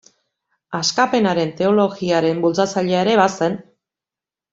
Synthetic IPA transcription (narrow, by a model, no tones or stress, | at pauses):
askape̞naɾe̞nt̪e̞o̞lo̞ɣiaɾe̞mbult͡sat͡saʎe̞aeɾe̞β̞ase̞n